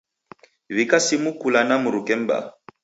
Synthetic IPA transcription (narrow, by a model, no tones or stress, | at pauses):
βikasimukulanamuɾukɛm̩ba̰